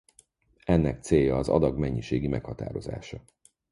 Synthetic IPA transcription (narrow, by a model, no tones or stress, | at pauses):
ɛnːɛk̚t̪seːjɒːzɒ̰d̪ɒɡmɛɲːiʃeːɡimʔɛkhɒt̪a̰ːɾo̞za̰ːʃɒ